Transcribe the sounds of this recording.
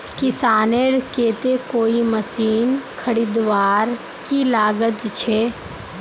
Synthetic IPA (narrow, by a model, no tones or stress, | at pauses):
kɪsaːneɾkeːt̪ekoːiməsiːnkʰəɽiːd̪ʋaːɾ | kilaːɡət̪t͡ʃʰeː